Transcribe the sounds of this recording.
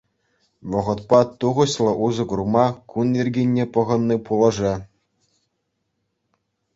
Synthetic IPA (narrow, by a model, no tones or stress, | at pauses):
ʋɤ̆ʁɤ̆t̪pɑt̪uʁɤ̆ɕlˠɤ̆ʔuzɤ̆ɡurmɑkunirʲɡʲinʲːepɤ̆ʁɤ̆nːipulˠɤ̆ʐe